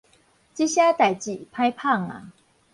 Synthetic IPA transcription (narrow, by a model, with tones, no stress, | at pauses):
t͡ɕi˥ɕja˥t̪a˨˩ɪt͡ɕi˨˩pʰa˥ɪpʰa˥˩ŋa̰˨˩